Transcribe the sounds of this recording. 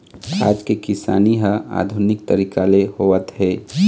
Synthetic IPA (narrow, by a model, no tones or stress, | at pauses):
a̰ːd͡ʒkekɪsa̰ːniɦəa̰ːd̪ʱʊnɪk̚t̪əɾiːkalehoət̪ɦɛː